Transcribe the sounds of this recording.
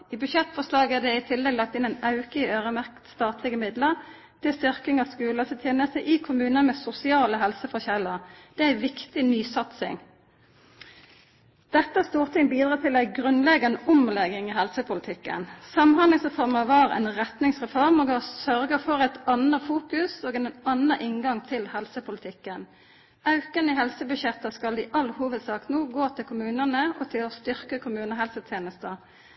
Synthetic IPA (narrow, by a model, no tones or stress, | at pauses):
iːbʉʃɛt̪ːfɔslɑːɡæd̪ɛɪt̪ʰɪlːɛɡlɑk̚t̪ɪnæɪnɑʉkəiøːʁəmæʁkt̪st̪ɑːt̪ʰlɪɡəmɪd̪ləʁ | d̪̥ɪst̪ʏʁkɪŋɑskʉːlət̪ɪt̪ʰjeːnəst̪əʔɪkʰʊmʉːnəmeːsʊsɪɑːləɦɛlsəfɔçɛləʁd̪̥ɛæɪʋɪkt̪ɪnyːsɑt̪sɪ̰ŋ | d̪̥ɛt̪ːəæst̪uːʁt̪ʰɪŋbiːd̪ʁɑːt̪ʰɪlæɪɡʁʉnlɛɡɑnəʊmlɛɡɪŋiɦɛlsəpʰʊlɪt̪ʰɪkːə̰nsɑmmhɑnlɪŋsʁɛfɔʁməʋɑːʁæ̰nʁɛt̪nɪŋsʁɛfɔʁməɡɑsœʁɡəfɔʁɛɪt̪ɑnəfuːkʉsoːɡɛnnɑnəʔɪŋɡɑŋt̪ʰɪlhɛlsəpʰʊlət̪ʰɪkːən | ɑʉkənəiɦɛlsəbʉʃjɛt̪ːəskɑld̪iːʔɑlːəhuːʋəd̪sɑːkt̪nuːɡoːt̪ʰɪlkʰʊmʉːnənəɔt̪ʰɪlost̪ʏʁkəkʰʊmʉːnəɦɛlsət̪ʰjeːnəst̪ə